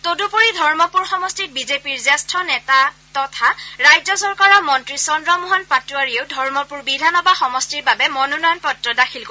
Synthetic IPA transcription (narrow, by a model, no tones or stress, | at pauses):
todupuɹidʱɔɹmɔpuɹxɔmɔstibizepiɹzɛstʰɔnɛtatɔtʰaɹajzɔsɔɹkaɹɔmɔntɹisɔndɹɔmuɦɔnpatuwaɹieʊdʱɔɹmɔpuɹbidʱanɔbaxɔmɔstiɹbabɛmɔnunɔjɔnpɔtɹɔdakʰilk